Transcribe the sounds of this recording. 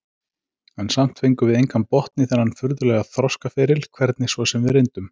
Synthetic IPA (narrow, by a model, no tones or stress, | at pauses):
ansam̥t̪fejŋkʏvɪðejŋkʰampɔht̪nɪθɛɾhanfʏɾðʏlɛɣaðθɾɔskafɪːɾɪlkʰvɛɾt̪nɪsvɔsɛmvɪðɾejnt̪ʏm